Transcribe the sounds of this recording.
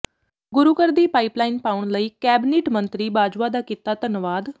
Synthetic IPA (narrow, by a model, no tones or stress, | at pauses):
ɡʊɾuːkəɾd̪iːpaːiːplaːiːnpaːʊɳləiːkɛːbɪneːʈmənt̪ɾiːbaːd͡ʒʋaːd̪aːkit̪aːt̪ənʋaːd̪